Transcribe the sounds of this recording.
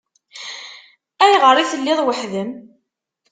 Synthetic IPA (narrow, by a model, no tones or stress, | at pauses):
æjʁəɾˤiθəlːɪðˤwəħðəm